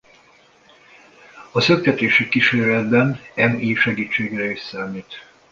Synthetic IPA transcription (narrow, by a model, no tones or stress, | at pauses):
ɒsøk̚t̪ɛt̪eːʃikiʃeːɾlɛd̪̚bɛnɛmiːʃɛɡiːt͡ʃːeːɡrɛissaːmiːt̪